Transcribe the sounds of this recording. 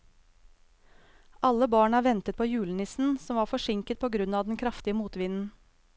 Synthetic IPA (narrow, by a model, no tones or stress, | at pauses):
ʔɑləbɑːɳæːʋɛnt̪ət̪̚pʰoːjʉːlənɪsn̩sɔmʋɑːfɔʃɪŋkət̪̚pʰoːɡɾʉnɑːd̪n̩kʰɾɑft̪ɪəmuːt̪ʋɪnn̩